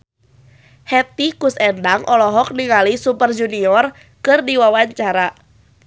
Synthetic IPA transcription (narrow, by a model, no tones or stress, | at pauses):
hɛt̪ikusɛndaŋʔɔlɔɦɔk̚niŋalisupərd͡ʒuniɔr | kɨrdiwawaɲt͡ʃaɾa